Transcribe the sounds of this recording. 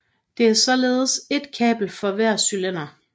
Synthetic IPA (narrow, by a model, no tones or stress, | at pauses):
d̥e̝æɐsɒ̽le̝ːð̞̩ˠəse̝d̥kʰɛ̰ːb̥l̩fɒ̽ʋæɐ̰sylen̰ɐ